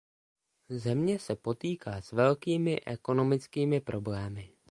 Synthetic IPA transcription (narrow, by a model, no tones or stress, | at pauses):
zɛmɲɛsɛpo̞t̪iːkʰaːsvɛlkiːmɪʔɛko̞no̞mɪt͡skiːmɪpɾʔo̞blɛːmɪ